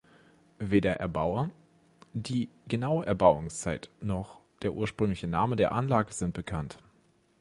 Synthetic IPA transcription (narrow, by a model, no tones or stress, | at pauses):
veːdɐʔɛɐbaʊɐ | d̥iːɡənaʊəʔɛɐbaʊʊŋst͡saɪtnɔχd̥eːɐʔuːɐʃpʁ̥ʏŋlɪçənaːmədeːɐʔanlaːɡəzɪnt̚b̥əkʰant